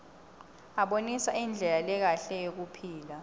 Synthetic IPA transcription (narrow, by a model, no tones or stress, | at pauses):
aɓonisaind͡ɮʱɛlalɛk̬aɬɛjok̬upʰiːla